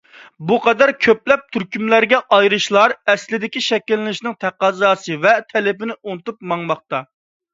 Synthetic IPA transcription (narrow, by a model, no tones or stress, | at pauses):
buqʰɑd̪ɛɾkʲʰøplɛp̚t̪ʰyɾkʲymlæɾɡʲɛʔɑjɾɨʃlˠɑɾɛslɪd̪ɪkʲiʃɛkʲilːɪnɪʃnɪŋt̪ʰæqɑzɑːsɨvɛt̪ʰɛlɪpɪnɪʔonɨt̪up̚mɑŋmɑχt̪ɑ